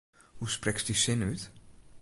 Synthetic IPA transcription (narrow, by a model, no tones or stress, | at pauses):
husprɛksdisɪnyt